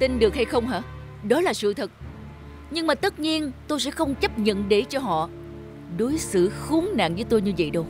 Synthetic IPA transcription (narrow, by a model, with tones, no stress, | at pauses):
t̪i˧nɗɨ˨˩ək̚ha˧jxə˧wŋ͡mɦa̰ː˧˥ | ɗɔ˨˦laː˨˩sɨ̰˧˨t̪ʰɨ˨˩k̚ | ɲɨ˧ŋmaː˨˩t̪ə˦˥t̚ɲi˧ənt̪o˧jsɛ̰˧˥xə˧wŋ͡mt͡ɕə˦˥p̚ɲə̰˧˨nɗe˧˩t͡ɕɔ˧ɦɔ̰˧˨ | ɗo˨˦jsɨ̰˧˨xu˨˦əŋna̰ː˧˨ŋvə˨˦jt̪o˧jɲɨ˧və̰˧˨jɗə˧w